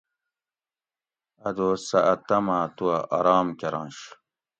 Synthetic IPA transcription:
ɐd̪oːsɐʔɐt̪ɐmaːt̪uɐʔɐɾaːmkeɾɑ̃ːnɕ

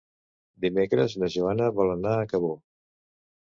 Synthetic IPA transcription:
d̪imekɾəznəʒuanəβɔlənaəkəβo

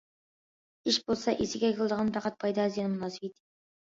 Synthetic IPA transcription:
ɪʃbolˠsɑʔesɪɡʲeɑjkʲʰelˠd̪əʁɑnt̪ʰɑqɑt̪̚pʰɑjd̪ɑːzijɑnəmʊnɑsɪ̥pejt̪ʲ

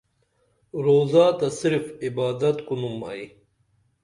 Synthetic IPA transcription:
ɾoːzaːt̪ɐsiɾfibaːd̪ɐt̪kunumɐ̰j

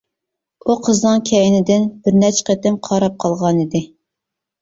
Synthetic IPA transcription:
uqʰəznɨŋkʲʰɛjnɪd̪ɪnbɪɾnɛt͡ʃʰqet̪ɪmqʰɑɾɑp̚qʰɑlˠʁɑnid̪ɪ

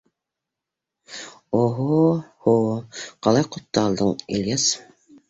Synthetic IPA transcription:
oɦohoqʰɑlˠɑjqʰot̪ːɑɑlˠd̪əŋiljas

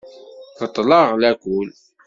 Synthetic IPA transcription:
θət̪ˤːlɑʁlækʷul

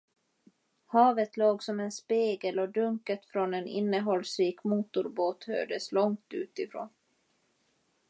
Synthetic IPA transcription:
hɑːvət̪loːɡsɔmɛnspeːɡəlɔd̪ɵŋkət̪fɾɔnɛnɪ̰nːəɦɔlsɾiːkmuːt̪ʊɾboːt̪hø̰ːɖəslɔŋt̪ʉ̟ːt̪ɪfɾo̰ːn

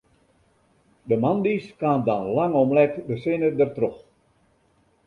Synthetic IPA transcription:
dəmɑndiskaːndɑnlaŋɔmlɛkdəsenədərtrɔx

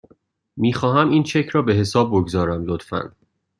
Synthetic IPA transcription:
miːxɒːɦæmiːnt͡ʃʰe̞cʰɾɒːbe̞ɦe̞sɒːb̚ːoɡzɒːɾæmlot̪fæ̰n

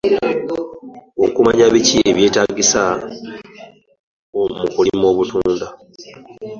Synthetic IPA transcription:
o̰kumaɲaβicieβje̞ːtaɡisa | omukulimo̞ːβutuːnda

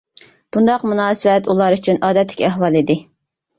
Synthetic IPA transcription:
b̥und̪ɑqmunɑːsəwɛt̪ulˠɑɾyt͡ʃʰynʔɑːd̪ɛt̪ʰːɪ̥kʲæɦwɑlˠid̪ɪ

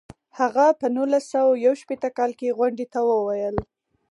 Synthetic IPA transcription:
haɣapənulasawajawʃpet̪əkɑlkeɣwaɳɖet̪awəwajəl

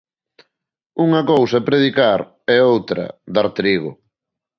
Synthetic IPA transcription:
uŋɐkowsɐpɾeðikaɾ | ɛowt̪ɾɐ̰d̪aɾt̪ɾiɣʊ

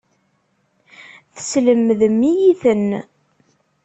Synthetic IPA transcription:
θsləmːəðəmːijiθən

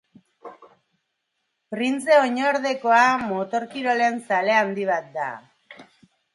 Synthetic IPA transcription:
pɾint͡se̞oɲoɾðe̞ko̞amot̪o̞ɾkiɾo̞le̞nsale̞and̪iβ̞at̪̚d̪a̰

